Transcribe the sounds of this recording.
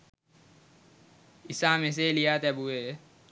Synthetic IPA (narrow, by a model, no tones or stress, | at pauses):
ɪsaːmẽs̬elijaːt̪ebue